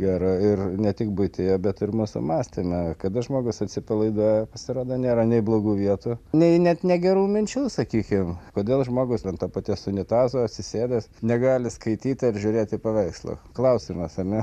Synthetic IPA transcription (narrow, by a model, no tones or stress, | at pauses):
ɡʲæːɾɐɪrnʲɛt̪ʲɪk̚bʊɪt̪ʲeːjoːbʲɛt̪ɪrmuːsʊ̰mɑːsʲt̪ʲɪmʲɛkɐd̪ɐʒmoːɡʊsɐt̪ʲsʲɪpɐlˠɐɪd̪oːjɛpɐsʲɪɾoːd̪ɐnʲeːɾɐnʲɛɪblˠoːɡuːʋʲiɛt̪uːnʲɛɪnʲɛt̪nʲɛɡʲɛɾuːmʲɪnʲt͡ʃʲuːsɐkʲiːkʲɪmkoːd̪ʲeːlˠʒmoːɡʊstʲɛnt̪oːpɑt̪ʲisʊnʲɪt̪ɑːzoːɐt̪ʲsʲɪsʲeːd̪ʲɛsnʲɛɡɑːlʲɪskɐɪt̪ʲiːt̪ʲɪɾʒʲʊɾʲeːt̪ɪpɐʋʲɛɪkslˠo̰ːklˠɐʊsʲɪmɐsɐɾnʲɛ